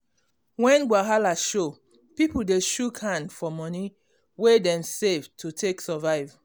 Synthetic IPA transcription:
wɛ̃nɡwaɦalaʃo | pipul̩deʃukhãndfɔmɔni | wedɛ̃msevtʰutʰeksɔvaɪv

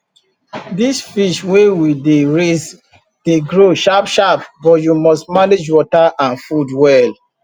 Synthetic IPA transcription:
disfiʃwewideɹez | d̥eɡɹoʃapʃapbɔtjumɔstmaned͡ʒwɔtaʔãnfudwɛl

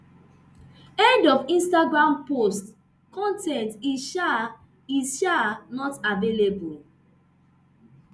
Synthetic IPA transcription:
ɛ̃ndɔfĩnstaɡɹãmpost | kɔ̃ntɛ̃ntiʃa | izʃanɔtavelebul

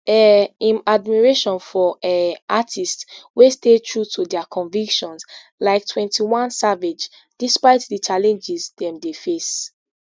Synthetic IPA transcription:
ɛĩmadmiɹeʃɔ̃nfɔɛatʰistswestetʰɹutʰudɛakʰɔ̃nvikʃɔ̃ns | laɪktʰwɛ̃ntiwãnsaved͡ʒ | d̥ispaɪtdit͡ʃalɛ̃nd͡ʒizdɛ̃mdefes

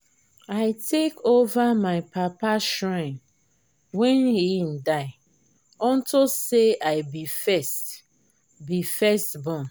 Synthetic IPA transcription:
aɪtʰekʰovamaɪpʰapaʃɹãn | wɛ̃nhin̩daɪ | ɔ̃ntoseʔaɪbifɛst | bifɛstbɔ̃n

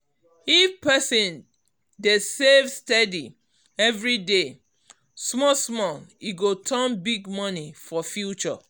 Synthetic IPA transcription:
ifpɛsĩn | desevstɛdi | ɛvɹide | smɔsmɔiɡotʰɛnbiɡmɔnifɔfjut͡ʃɔ̰

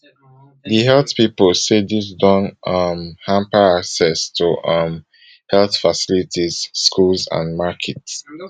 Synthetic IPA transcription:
diɦɛltpipəlsedis̬dɔ̃nʌmhãmpəaksɛstʰuʔʌm | hɛlˠθfasilitʰiz̥ːkulzã̰nmakʰɛts

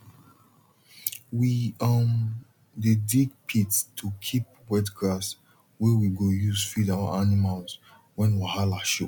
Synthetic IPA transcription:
wiʌm | dediɡ̚pʰittʰukʰip̚ | wɛtɡɹas | wɛwiɡojuzfidawa̰animals | wɛ̃nwahalaʃo

